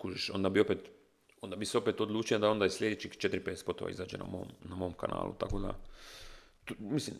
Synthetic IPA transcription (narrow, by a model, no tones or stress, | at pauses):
kuʒeʃo̞̰nd̪abio̞pet̪ | ond̪abiseo̞pet̪od̪lˠuːt͡ʃijad̪ao̞nd̪aizslʲed̪et͡ʃikt͡ʃe̞t̪ɾipeespo̞t̪oʋa̰izaːd͡ʒḛna̰mo̰mnamo̞mka̰na̰ːlˠʔṵt̪ako̞d̪a̰ | t̪mislḭm